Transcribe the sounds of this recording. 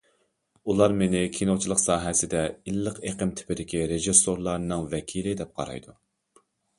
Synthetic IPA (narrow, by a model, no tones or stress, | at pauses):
ulˠɑɾmenɪkʲʰinot͡ʃʰilˠəqsɑːɦɛsɪd̪ɛilːəqeqəmt̪ʰɪ̥pɪd̪ɪkʲiɾeʒisoɾlˠɑɾnɨŋvɛkʲʰilɪd̪ɛp̚qʰɑ̰ɾɑ̰jd̪u